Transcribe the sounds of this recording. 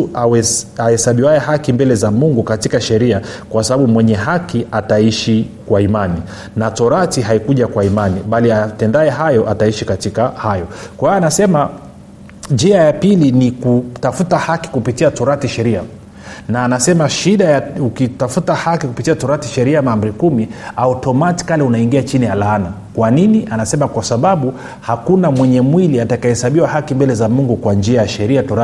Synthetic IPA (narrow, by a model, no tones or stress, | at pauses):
uaɛahɛsaɓiwaɛhakimbɛlɛzamuŋɡukatikaʃɛɾiakwasaɓaɓumwɛɲɛɦakiʔataiʃikwaimani | natɔɾatiɦaikuʄakwaimaniɓaliatɛndaɛɦajɔʔataiʃikatikahajɔkwaijanasɛma | d͡ʒiajapilinikutafutahaki̥kupitiatuɾatiʃɛɾia | naːnasɛmaʃiɗajaukitafutahakikupitiatuɾatiʃɛɾiamamb̩ɾikumiautɔmati̥kalɛunaiŋɡiat͡ʃinijalaːna | kwaniniʔanasɛmakwasaɓaɓu | hakunamwɛɲɛmwiliatakahɛsaɓiwahakimbɛlɛzamuŋɡukwand͡ʒiajaʃɛɾiatɔɾa